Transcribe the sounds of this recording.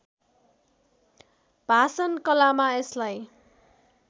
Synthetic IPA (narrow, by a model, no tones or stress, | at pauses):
b̥ʱasʌnkʌlamaeslaj